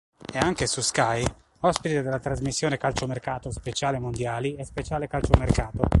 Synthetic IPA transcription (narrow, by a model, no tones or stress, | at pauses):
eaŋkesuskaj | ɔspit̪ed̪elːat̪ɾazmisːjoːnekalt͡ʃomerkaːt̪ospet͡ʃaːlemond̪jaːliɛspet͡ʃaːlekalt͡ʃomerkaːt̪o